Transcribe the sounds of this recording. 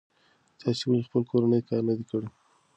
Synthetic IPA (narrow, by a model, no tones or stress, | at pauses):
t̪ɑsewalexpəlkoɾanəjkɑɾnad̪ikəɽi